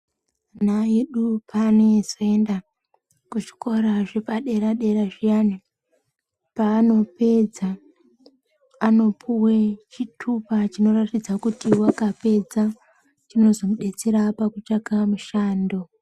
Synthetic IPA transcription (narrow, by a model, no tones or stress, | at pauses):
naje̞ɗupʰanezo̞enda | kuʐi̥ko̞ɾaʐe̞paɗe̞ɾaɗe̞ɾaʐijani | paːno̞pe̞d͡za | no̞pʰuwet͡ʃitʰupat͡ʃino̞ratid͡zakutiwakape̞d͡za | t͡ʃino̞zo̞muɗe̞t͡seɾapakut͡ʃakamuʃaːndo̞